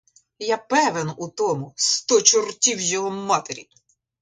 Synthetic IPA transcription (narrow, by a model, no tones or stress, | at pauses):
jɑpɛʋenut̪ɔmʊst̪ɔt͡ʃʊrtʲiwjɔɦɔmɑt̪eɾʲḭ